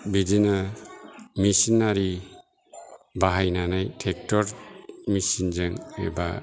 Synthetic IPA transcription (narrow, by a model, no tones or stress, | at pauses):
bidina | misinːaɾi | baɦajnanajtʰek̚tɔɾmisind͡ʒɯŋḛba̰